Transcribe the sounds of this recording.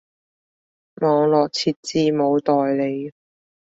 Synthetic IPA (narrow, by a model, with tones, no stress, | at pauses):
mɔː˨˧ŋlɔː˨˩k̚t͡sʰiː˨˧t̚t͡siː˧mo˨˧wt̪ɔː˨jle˨˧j